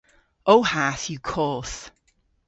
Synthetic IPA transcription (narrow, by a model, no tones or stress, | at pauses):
oʊhaθjəkʰɔˑθ